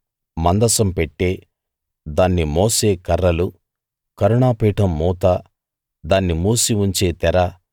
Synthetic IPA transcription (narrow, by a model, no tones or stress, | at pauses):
mɐnd̪ɐsɐmpeʈːe̞ː | d̪aːnːimoːse̞ːkɐɾːɐlu | kɐɾuɳaːpiːʈɐmːuːt̪aː | d̪aːnːimuːsiuɲt͡ʃe̞ːt̪ɛɾɐ